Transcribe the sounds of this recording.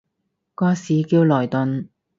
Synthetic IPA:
kɔː˧siː˨˧kiː˧wlɔː˨˩jt̪ʊ˨˧n

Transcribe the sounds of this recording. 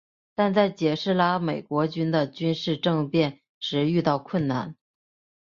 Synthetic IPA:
t̪a˥˧nt͡sa˥˩ɪt͡ɕjɛ˨˩ʂɻ̩˥˩la˥me˨˩ɪkwɔ˧˥t͡ɕy˥nd̪ə˨t͡ɕy˥nʂɻ̩˥˧ʈ͡ʂɤ˥˧ŋpjɛ˥˩n | ʂɻ̩˧˥y˥˧t̪ɑ˥˧ʊkʰwə˥˩nna̰˥˩n

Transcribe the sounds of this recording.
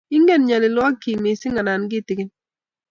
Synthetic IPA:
ɪ˦ŋɡe˦nɲa˨lɪ˨lwɔ˦kːi˨mɪ˨sɪ˦ŋa˨na˨nɡɪ˦˨tɪ˨ɡɪ˦n

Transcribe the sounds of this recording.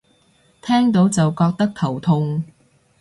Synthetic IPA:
t̪ʰɛː˥ŋt̪o˨˥wt͡sɐ˨wkɔː˧k̚t̪ɐ˥k̚t̪ʰɐ˨˩wt̪ʰʊ˧ŋ

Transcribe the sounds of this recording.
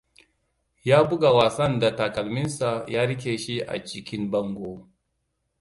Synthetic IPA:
jaː˦bʊ˦ɡa˨waː˨sɐ˦nda˨ta˨kɐ˨lmɪ˦nsa˨jaː˦ɽɪ˦k̬ʲeː˨ʃi˦ʔa̰˨t͡ʃɪ˦kʲɪ˦mbɐ˦ŋɡʷo˦

